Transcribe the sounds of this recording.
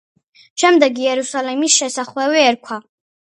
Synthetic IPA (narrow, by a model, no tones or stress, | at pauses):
ʃɛmd̪ɛɡiɛɾusalɛmisʃɛsaχwɛwiɛɾkʷʰwa